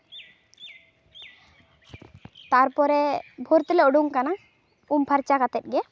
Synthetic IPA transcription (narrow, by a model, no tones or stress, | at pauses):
t̪aɾpɔɾɛbʱoɾt̪ɛlɛɔɖuŋkana | umpʰaɾt͡ʃakat̪ɛt̪̚ˀɡɛ